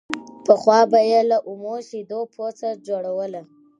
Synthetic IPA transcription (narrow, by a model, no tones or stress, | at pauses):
pəxwɑbajelaʔumoʃid̪opʰot͡sad͡ʒoɽawəla